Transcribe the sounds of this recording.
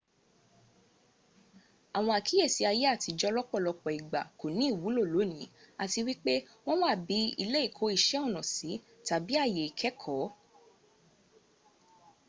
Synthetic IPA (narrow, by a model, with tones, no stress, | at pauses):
a˨w̃ɔ̃˧a˨ki˨˦e˦˨si˨˦a˧je˦a˦˨ti˧d͡ʒɔ˧lɔ˦k͡pɔ˦˨lɔ˧k͡pɔ˨i˨ɡ͡ba˨ko˨nĩ˨˦˨wu˨˦lo˦˨lo˨˦nĩ˨˦a˨ti˧wi˦k͡pe˦ | w̃ɔ̃˦wa˦˨bi˨˦i˧le˦i˦˨kʰo˨˦i˦˧˨ʃɛ˦ɔ˦˨nɔ̃˨si˨˦ | ta˨bi˦a˦˨je˨i˨kʰɛ˨˦kʰɔ˨˦